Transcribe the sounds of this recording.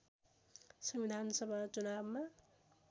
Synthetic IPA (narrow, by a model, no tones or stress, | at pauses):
sʌmbid̪ʱansʌbʱat͡sunabma